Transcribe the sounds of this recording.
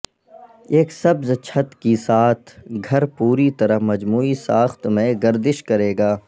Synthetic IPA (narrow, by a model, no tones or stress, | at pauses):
eːksɐbzt͡ʃʰət̪kisaːt̪ʰɡʱɐɾpuːɾit̪ɐɾəɦmɐd͡ʒmuːisaːxt̪mẽɡɐɾd̪ɪʃkɐɾeːɡaː